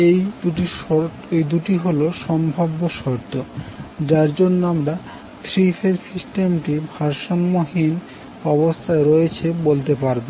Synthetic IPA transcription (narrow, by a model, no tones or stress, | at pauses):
ej̪uʈiɔ | ejd̪uʈiɦoloʃɔmbʱabːoʃɔɾt̪od͡ʑaɾd͡ʑonːoamɾa | t̪ʰɾifʰeɾsisʈemʈibʱaɾʃanmoɦin | ɔbost̪ʰaeɾojet͡ɕʰebolt̪̬epaɾbo